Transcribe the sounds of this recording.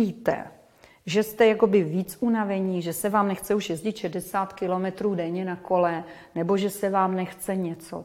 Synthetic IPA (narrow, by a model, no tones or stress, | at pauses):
iːt̪ɛ̰ | ʒɛst̪ɛjako̞bɪviːt͡sʔunavɛɲiːʒɛsɛvaːmnɛxt͡sɛuʃjɛzɟɪt̪ʃɛdɛsaːt̪kɪlo̞mɛt̪ɾuːdɛɲɛnako̞lɛ | nɛbo̞ʒɛsɛvaːmnɛxt͡sɛɲɛt͡so̰